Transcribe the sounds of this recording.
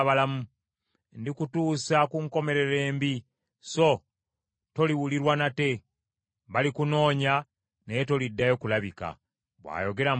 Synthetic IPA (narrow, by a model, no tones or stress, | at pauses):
βalamu | ndikutuːsakuŋko̞me̞ɾe̞ɾe̞ːmbi | so̞ | to̞liwuliɾwanate̞ | βalikuno̞ːɲa | nejeto̞lidːajo̞kulaβika̰ | βwa̰ːjo̞ɡe̞ɾam